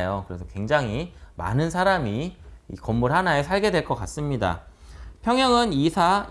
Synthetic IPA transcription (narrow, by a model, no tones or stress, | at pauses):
jokɯɾe̞sʰʌkwe̞ŋd͡ʑaŋɦima̰nɯnsʰaɾamiḭkʌmːuɭɦanaesʰaɭɡe̞dwe̞ɭk͈ʌk͈as͈ɯmɲida̰pʰjʌŋjʌŋɯnisʰa